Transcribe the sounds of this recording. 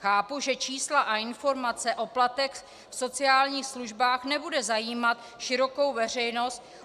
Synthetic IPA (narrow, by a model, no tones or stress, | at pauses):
xaːpuʒɛt͡ʃiːslaʔaɪnfo̞ɾmat͡sɛʔo̞plat̪ɛx | fso̞t͡sɪaːlɲiːxsluʒbaːxnɛbudɛzajiːmat̪ | ʃɪɾo̞ko̞wvɛr̝ɛjno̞st̪